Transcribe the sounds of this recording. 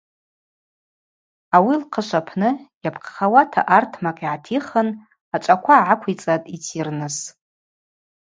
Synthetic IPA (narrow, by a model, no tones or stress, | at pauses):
awilqʰəʃʷapʰnɨjapʰqʰχawatʰa̰ʔartʰmakʼiʕatʰiχən | at͡ʃʷʼakʷʰaːʕakʷʰit͡sʼatʼit͡sʰirnɨs